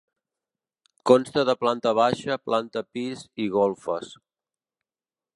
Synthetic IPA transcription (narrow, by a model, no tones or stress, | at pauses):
kɔnst̪əðəplant̪əβ̞aʃəplʔant̪əpiziɣɔlˠfəs